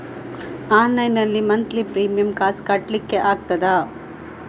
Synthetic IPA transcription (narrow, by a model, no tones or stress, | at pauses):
aːnːɐjnɐlːimɐnt̪lipɾiːmijɐmkaːskɐʈlikːeʔaːɡ̚t̪ɐd̪aː